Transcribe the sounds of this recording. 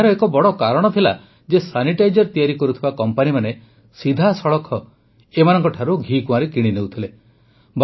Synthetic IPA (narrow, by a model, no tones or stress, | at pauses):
ɾɔekɔbɔɽɔkaɾɔɽ̃ɔt̪ʰila̰ | d͡ʒesaniʈajd͡ʒɔɾt̪ijaɾikɔɾut̪ʰibakɔmpanimane | sid̪ʱasɔɭɔkʰɔ | emanɔŋkɔʈʰaɾuɡʱikũãɾekiɽ̃inewt̪ʰile | b